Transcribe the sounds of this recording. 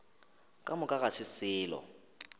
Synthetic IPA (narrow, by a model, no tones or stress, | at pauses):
kʼamʊkʼaɣasɪsɪːlɔ̰